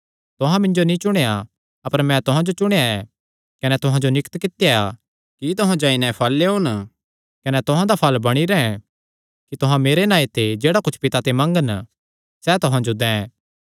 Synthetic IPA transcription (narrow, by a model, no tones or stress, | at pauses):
t̪ʊɦãmɪ̃ɲd͡ʒonĩt͡ʃʊɽ̃eja | ɐpəɾmɛ̃t̪ʊɦãd͡ʒot͡ʃʊɽ̃ejaɛ | kɐnɛt̪ʊɦãd͡ʒonɪkt̪kɪt̪ejaa | kit̪̬ʊɦãd͡ʒaːinɛ̃pʰɐlːeɦʊn | kɐnɛt̪ʊɦãd̪apʰɐlbɐɽ̃iɾɛɛ̃ | kit̪ʊɦãmeːɾenaːet̪ʰed͡ʒeːɽakʊt͡ʃʰpɪt̪at̪emɐ̃ŋɡən | sɛt̪ʊɦãd͡ʒod̪ɛ̃ː